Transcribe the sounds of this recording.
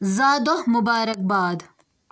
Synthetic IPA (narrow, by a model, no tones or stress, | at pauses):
zɑːd̪ohmʊbɑːɾɐk̚bɑːd̪